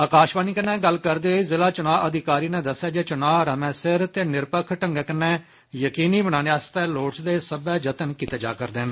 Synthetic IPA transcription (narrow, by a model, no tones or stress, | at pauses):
aːkaːʃbaːniːkənːɛ̃ːɡəlkəɾd̪eːoiːzɪlaːt͡ʃʊnaːʔəd̪ɪkaːɾiːnɛ̃ːd̪əsːjaːd͡ʒeːt͡ʃʊnaːɾəmɛ̃ːsɪɾt̪eːnɪɾpəkʰʈəŋɡɛːkənːɛ̃ː | jəkiːniːbəɽ̃ãːneːaːst̪ɛːloːt͡ʃd̪eːsəbɛːd͡ʒət̪ənkiːt̪eːd͡ʒa̰ːkəɾd̪eːn